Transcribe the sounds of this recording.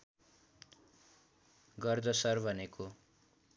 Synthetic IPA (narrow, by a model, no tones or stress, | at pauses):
ɡʌrd͡zʌsʌrbʱʌnekʰo